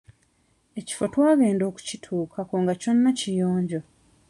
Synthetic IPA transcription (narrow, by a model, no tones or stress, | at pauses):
e̞ci̥fotwaːɡe̞ːndo̞ːku̥citʰuːkʰakoːŋɡaco̞nːacijoːɲɟo̞